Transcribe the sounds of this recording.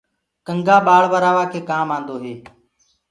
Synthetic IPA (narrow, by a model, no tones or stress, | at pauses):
kəŋɡaːɓaːɭʋəɾaːʋaːkʰeːkaːmãːnd̪oːɦeː